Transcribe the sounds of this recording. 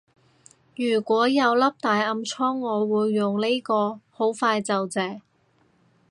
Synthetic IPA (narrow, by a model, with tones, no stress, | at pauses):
jyː˨˩kʷɔː˨˥jɐ˨˧wlɐ˥p̚t̪aː˨jɐ˧mt͡sʰɔː˥ŋːɔː˨˧wuː˨˧jːʊ˨ŋnle˥kɔː˧ho˨˥wfaː˧jt͡sɐ˨wt͡sɛː˨˧